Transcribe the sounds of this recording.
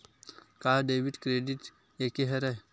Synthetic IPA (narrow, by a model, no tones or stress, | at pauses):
kaɖeːʋiɖkɾeːɖiʈ | ekeɦɛɾa